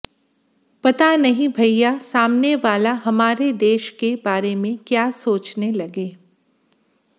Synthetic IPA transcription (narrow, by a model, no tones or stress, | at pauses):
pɐt̪anɐɦĩbʱɐjjasaːmneʋaːlaɦɐmaːɾed̪eːʃkebaːɾemẽkjaːsoːt͡ʃnelɐɡeː